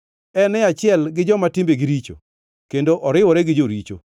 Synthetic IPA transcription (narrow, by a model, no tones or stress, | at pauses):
ɛnɛat͡ʃɪɛlɡɪd͡ʒɔmatɪmbeɡɪɾit͡ʃo̰ | kendoʔɔɾɪwɔɾɛɡɪd͡ʒoɾit͡ʃo̰